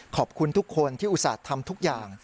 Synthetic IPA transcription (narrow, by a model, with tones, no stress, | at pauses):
kʰɔː˨˩p̚kʰu˧nt̪ʰu˦˥kʰːo˧nt̪ʰiː˥˩ʔu˨˩sa̰ː˨˩t̪ʰːa˧mt̪ʰu˦˥k̚jaː˨˩ŋ